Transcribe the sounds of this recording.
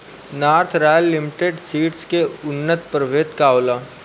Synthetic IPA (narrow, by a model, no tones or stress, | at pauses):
naːɾt̪ʰɾaːjəlːɪmɪʈeːɖsiːʈskeʊnːət̪pɾəʋeːt̪kaːolaː